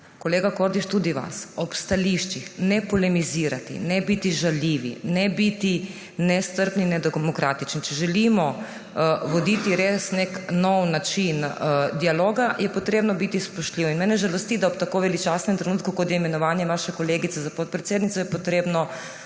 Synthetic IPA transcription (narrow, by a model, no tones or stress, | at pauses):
koleːɡakoɾd̪iʃt̪ud̪iʋa̰sɔpst̪aliʃt͡ʃixnɛpolɛmiziːɾat̪ḭnɛbit̪iʒaljiːʋḭnɛbit̪i | nɛst̪əɾpninɛd̪ɛɡmokɾaːt̪it͡ʃnit͡ʃɛʒɛlimɔ | ʋod̪it̪iɾeːsneknɔwnat͡ʃind̪ialoːɡajɛpot̪ɾeːbnɔbit̪ispoʃt̪lʲiːʋɔinmɛːnɛʒalost̪id̪aɔpt̪akoːʋɛlit͡ʃasnɛmt̪ɾenuːt̪kukot̪jɛimɛnɔʋaːnjɛʋaʃɛkoleːɡit̪eɛzapot̪̚pɾɛt̪sjeːd̪nit̪sɔjɛpot̪ɾeːbnɔ